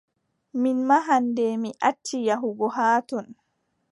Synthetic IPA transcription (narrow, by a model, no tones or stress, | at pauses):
minmaɦandɛmiʔatʰːijaɦuɡɔɦaːtɔn